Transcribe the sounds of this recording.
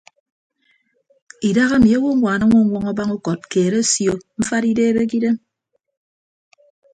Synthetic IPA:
i˨da˦ɣa˦mi˨a˦wo˦ŋʷaː˨na˦ŋʷo˦ŋʷɔ˦ŋɔ˦ba˦ŋu˦kɔ˨t̚keː˨ɾe˦sjo˨ɱ̩˦fa˦ɾi˦deː˦be˦k̬i˦de˦m

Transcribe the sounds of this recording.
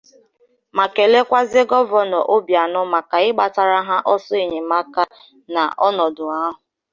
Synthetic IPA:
ma˨ke˨le˦kʷa˦zɪ˦ɡɔ˦vɔ˦nɔ˨ʔo˦bja˨nɔ˦ma˨ka˨ɪ˦ɡ͡ba˨ta˨ɾa˦ɦa˦ʔɔ˦sɔ˦e˨ɲe˨ma˦ka˦ | na̰˨ʔɔ˦nɔ˨dʊ˨a˦ɦʊ˨

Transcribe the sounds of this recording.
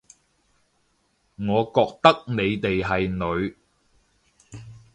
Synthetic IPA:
ŋɔː˨˧kɔː˧k̚t̪ɐ˥k̚ne˨˧jt̪e˨jɦɐ˨jnɵ˨˧ɥ

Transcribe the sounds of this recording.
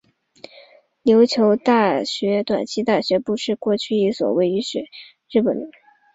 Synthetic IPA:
ljo˧˥ʊt͡ɕʰjo˧˥ʊt̪a˥˩ɕɥɛ˧˥t̪wa̰˨˩nt͡ɕʰi˥t̪a˥˩ɕɥɛ˧˥pu˥˧ʂɻ̩˥˧kwɔ˥˧t͡ɕʰy˥˧i˥˩swɔ̰˨˩we˧˥ɪy˧˥ʂwe˨˩˦ɪ | ɻɻ̩˥˩pə̰˨˩nd̪

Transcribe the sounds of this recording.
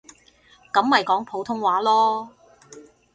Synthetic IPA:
kɐ˨˥mːɐ˨jkɔː˨˥ŋpʰo˨˥wt̪ʰʊ˥ŋwaː˨˥lɔː˥

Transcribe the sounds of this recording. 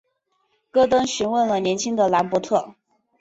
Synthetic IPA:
kɤ˥t̪ɤ˥ŋɕy˧˥nwə˥˩nlə˩njɛ˧˥nt͡ɕʰi˥ŋd̪ə˨la˧˥npwɔ˧˥t̪ʰɤ˥˩

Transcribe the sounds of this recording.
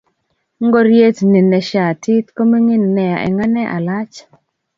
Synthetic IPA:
ŋ˦ɡo˦ɾje˦tni˨nɛ˨ʃa˨tɪ˦t̪ko˦mi˦ŋi˦nːɛ˨ja˨ʔɛ̰˨ŋa˦nɛ˦ʔa̰˨la˦t͡ʃ

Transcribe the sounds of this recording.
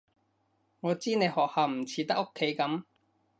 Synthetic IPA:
ŋɔː˨˧t͡siː˥ne˨˧jhɔː˨k̚haː˨wm̩˨˩t͡sʰiː˨˧t̪ɐ˥k̚ːo˥kʰːe˨˥jkɐ˨˥m

